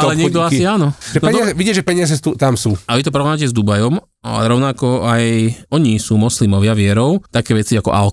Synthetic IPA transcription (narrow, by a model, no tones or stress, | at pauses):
alɛɲɛɡ̚d̪ɔasiaːnɔnʒɛɔɛɲd̪ɔɪazɛʋiɟiʒɛpɛɲɪazɛt̪ut̪amsuːaʋit̪ɔpɾɔacɛzd̪ubajɔm | a̰lɛ̰ɾɔʊnakɔajɔɲisuːmɔslimɔʋɪaʋɪɛɾɔʊt̪akɛːʋɛt͡siakɔ̰ʔal